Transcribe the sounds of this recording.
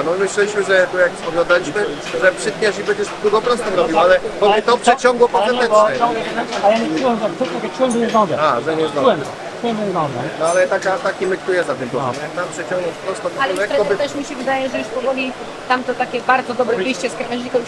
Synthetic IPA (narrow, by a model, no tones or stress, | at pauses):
nɔmɘɕlɛlʲiɕmɘʐɛt̪ujakspɔvʲjɔ̃nd̪alʲiɕmɘ | ʐɛpʂɘt̪̚ɲaʂibɛɲd͡ʑɛʂd̪uɡɔpɾɔst̪ɔɾɔbʲiwalɛbɔmɛt̪ɔpʂɛt͡ɕɔ̃ŋɡwɔpɔɛɛɛɔɛɛajaɲɛuwɛmɛt̪uɔvʲɛt͡ʂuwɛmbɛɲɛzɡ̪ɔ̃d̪ɛaʐɛɲɛzɡ̪ɔuwɛm | uɛmɛzɡ̪ɔd̪ɛ̰nɔalɛt̪akat̪akʲimɘkt̪ujɛzat̪ɪmt̪ɔvmt̪ampʂɛt͡ɕɔ̃ŋɡwɔpɾɔst̪ɔt̪alɛt̪ɾɔbt̪ɛʂmʲiɕɛvɨd̪ajɛʐɛjuʂpɔvɔlʲi | t̪amt̪ɔt̪akʲɛbaɾd̪zɔd̪ɔbɾɛvɘjɕt͡ɕɛskɾmaʑikɔ